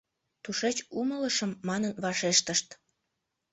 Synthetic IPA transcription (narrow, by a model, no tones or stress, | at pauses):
t̪uʃet͡ɕumələʃəmːɑnənβɑʃeʃt̪əʃt̪